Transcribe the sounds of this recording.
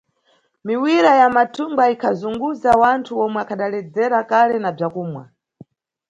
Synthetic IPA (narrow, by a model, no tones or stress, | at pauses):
miwiɾajamatʰumbaikʰazuŋɡuzawantʰuɔmwɛakʰaɗalɛd͡zɛɾakalɛnab͡ʐakuːmwa̰